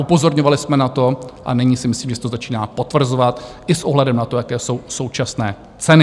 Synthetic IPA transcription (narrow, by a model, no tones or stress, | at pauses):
upo̞zo̞ɾɲovalɪsmɛnat̪o̞ʔa̰nɪɲiːsɪmɪsliːmʒɛsɛ̥t̪ozat͡ʃiːnaːpo̞t̪vr̩zovat̪ | ɪsʔoɦlɛdɛmnat̪o̞jakɛːso̞wso̞wt͡ʃasnɛː | t͡sɛnɪ